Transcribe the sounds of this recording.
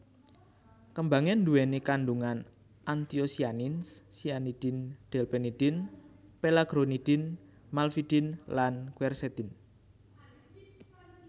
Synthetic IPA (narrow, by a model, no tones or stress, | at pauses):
kəmbaŋɛnduwɛnekanɖuŋan | ʔant̪iosianinssianid̪̥ɪnd̪̥ɛlpenid̪̥ɪnpelaɡ̥ɾonid̪̥ɪn | malfid̪̥ɪnlankuɛrsɛt̪ɪn